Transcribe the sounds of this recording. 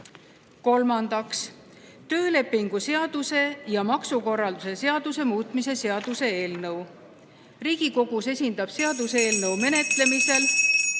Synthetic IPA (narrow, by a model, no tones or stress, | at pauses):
ko̞lmɑnd̪̥ɑks | t̪ø̞ːle̞pːˑiŋɡ̥use̞ɑd̪̥use̞jɑmɑksuko̞rːɑld̪use̞se̞ɑd̪̥use̞muːt̪ˑmise̞seɑd̪̥use̞eːlnɤw | riːɡ̥iko̞ɡ̥use̞sʲind̪̥ɑb̥se̞ɑd̪̥use̞ːlnɤwme̞ne̞t̪le̞mise̞l